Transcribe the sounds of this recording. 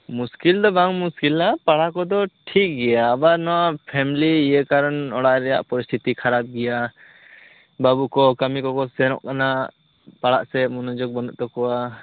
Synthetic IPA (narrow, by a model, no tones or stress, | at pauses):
muskild̪ɔbaŋmuskilapaɽakɔd̪ɔʈʰik̚ɡɛjaːbanɔwapʰɛmiliːjɛkaɾɔnɔɽaʔɾɛja̰ʔpɔɾist̪ʰit̪ikʰaɾap̚ɡɛja | babukɔkamikɔkɔsɛɾɔ̰ʔkana | paɽaʔsɛmɔnɔd͡ʒɔk̚bɔnɔʔt̪ɔkɔwa